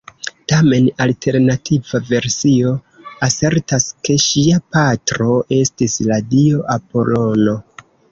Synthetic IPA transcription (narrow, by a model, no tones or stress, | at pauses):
tame̞naltʰe̞ɾnatʰivave̞ɾsio̞ | ase̞ɾtaske̞ʃiapatɾo̞ʔe̞stisladio̞ʔapo̞lo̞no̞